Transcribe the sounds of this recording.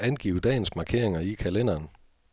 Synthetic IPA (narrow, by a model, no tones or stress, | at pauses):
ænɡ̥ḭːʊd̥ɛ̰ːnsmɑ̈kʰe̝ɐ̰e̝ŋɐikʰælen̰ɐːn